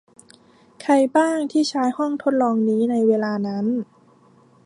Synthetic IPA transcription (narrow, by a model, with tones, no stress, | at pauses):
kʰa˧˩jbaː˥˩ŋt̪ʰiː˥˩t͡ɕʰaː˦˥jhɔ˥˩ŋt̪ʰo˦˥t̪̚lɔː˧ŋniː˦˥na˧jweː˧laː˧na˦˥n